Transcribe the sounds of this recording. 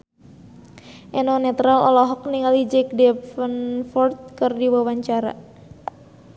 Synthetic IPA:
ʔɛnɔnɛt̪ɾalɔ̰lɔɦɔk̚niŋalid͡ʒɛk̚dɛpfənfɔrt̪̚kərdiwawaɲt͡ʃaɾa̰

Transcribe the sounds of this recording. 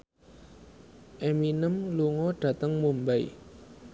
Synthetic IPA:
ʔeminəmluŋɔɖ̥ä̤t̪əŋmumbaḭ

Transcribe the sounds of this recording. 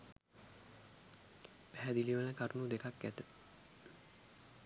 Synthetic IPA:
pæɦæd̪iliʋələkaɾunud̪ekakɡæt̪ə

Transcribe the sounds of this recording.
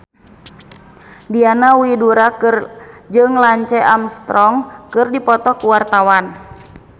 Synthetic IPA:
dianawiduɾakɨrd͡ʒɨŋlaɲt͡ʃɛʔamst̪ɾɔŋkɨrdipɔt̪ɔkuwart̪awan

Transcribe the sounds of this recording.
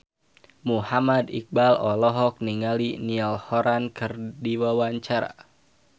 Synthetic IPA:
muhamad̪ik̚balɔlɔɦɔk̚niŋaliniɔlhɔɾankʰɨrdiwawaɲt͡ʃaɾa̰

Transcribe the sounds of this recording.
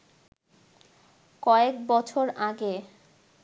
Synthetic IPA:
kɔekbɔt͡ɕʰoɾʔaɡe

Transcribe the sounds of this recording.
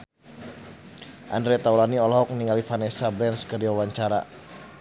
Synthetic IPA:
ʔa̰ndɾɛt̪aulaniɔlɔɦɔk̚niŋalifanesabɛnskərdiwawaɲt͡ʃaɾa̰

